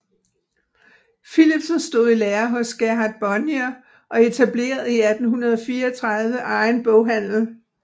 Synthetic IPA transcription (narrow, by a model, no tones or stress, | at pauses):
filib̥snsd̥o̝ð̞̰ˠileːɐɦɔ̽sɡ̥æɑd̥̚b̥ɒnjæ | ʔɒ̽e̝t͡sʰæble̝̰ːɐð̩ˠiæd̥n̩ɦunɐð̞ˠɒfiːɐɒt͡sʰʁɑ̈ð̞ˠʋəʔɑ̈ɪnb̥ɔʊɦæn̰l̩